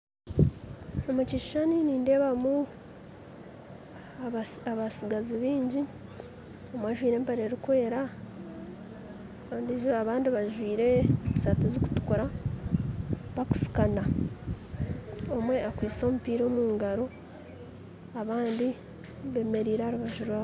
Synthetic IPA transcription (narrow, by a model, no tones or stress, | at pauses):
omuciʃaniniːnde̞ːβamu | aβasiɡaziβiːɲɟi | omwaʒwiːɾe̞ːmpeɾe̞ɾikwe̞ːɾa | andiʒaβaːndiβaʒwiːɾe̞zisatiziku̥tu̥kuɾa | βaku̥si̥kana | omwe̞akwiːt͡so̞ːmupiːɾo̞ːmuːŋɡaɾo̞ | aβaːndi | βe̞me̞ɾiːɾehaɾuβaʒuɾwa